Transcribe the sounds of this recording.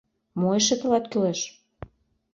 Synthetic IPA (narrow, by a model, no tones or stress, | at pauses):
moeʃə̆t̪ə̆lɑt̪kyleʃ